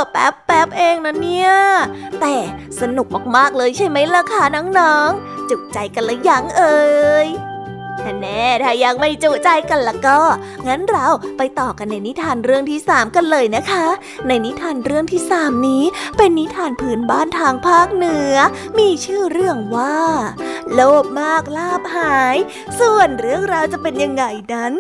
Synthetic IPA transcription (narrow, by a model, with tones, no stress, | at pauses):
pɛ˦˥pːɛ˦˥p̚ʔeː˧ŋna˦˥ni˦˥˩ət̪ɛː˨˩ | sa˧nu˨˩k̚maː˨˩k̚maː˥˩k̚lɤː˧jt͡ɕʰa˦˥˩jma˦˥jla˧˩kʰa˦˥˩nɔ˦˥ŋnɔː˨˦˥ŋt͡ɕu˨˩k̚t͡ɕa˧jka˧nla˨˧˦ja˨˧˩ŋʔɤː˧j | t̪ʰa˧˩nɛː˧˥˩t̪ʰaː˧˩ja˧ŋma˥˩jt͡ɕu˨˩t͡ɕa˧jka˧nla˨˦˩kɔː˥˩ | ŋa˦˥nɾa˧wpa˧jt̪ɔː˨˩ka˧nːa˧jni˦˥t̪ʰaː˧nɾɯ˥˩əŋt̪ʰiː˥˩saː˩˦mka˧nlɤː˧jna˦˥kʰa˦˥ | na˧jni˦˥t̪ʰaː˧nɾɯ˥˩əŋt̪ʰiː˥˩saː˩˦mniː˦˥pe˧nːi˦˥t̪ʰaː˧npʰɯː˨˦˥nbaː˥˩nt̪ʰaː˧ŋpʰaː˥˩k̚nɯ˦˥ɐ | miː˧t͡ɕʰɯː˥˩ɾɯ˥˩əŋwaː˥˩loː˥˩p̚maː˥˩k̚laː˥˩p̚haː˨˩˦j | su˨˩ənɾɯ˥˩əŋɾaː˧wt͡ɕa˨˩pe˧nja˧ŋːa˧jna˦˥n